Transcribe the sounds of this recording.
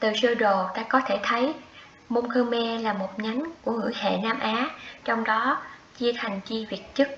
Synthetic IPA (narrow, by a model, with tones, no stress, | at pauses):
t̪ɨ˨˩səː˧ɗo˨˩t̪aː˧kɔ˨˦t̪ʰe˧˩t̪ʰə˨˦j | mo˧nkʰəː˧mɛ˧laː˨˩mo˨˩t̚ɲa˨˦jŋku˧˩əŋɨ̰˧˩jhḛ˧˨naː˧mʔaː˨˦t͡ɕɔ˧wŋ͡mɗɔ˨˦t͡ɕi˧ət̪ʰa˨˩jŋ̟t͡ɕi˧vi˨˩ət̚t͡ɕɨ˦˥k̚